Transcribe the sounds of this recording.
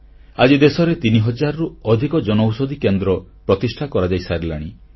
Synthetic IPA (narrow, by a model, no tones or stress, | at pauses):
ad͡ʒid̪esɔɾet̪iniɦɔd͡ʒaɾɔɾuɔd̪ʱikɔd͡ʒɔnɔwsɔd̪ʱikend̪ɾɔpɾɔt̪isʈʰakɔɾad͡ʒajsaɾila̰ɽ̃i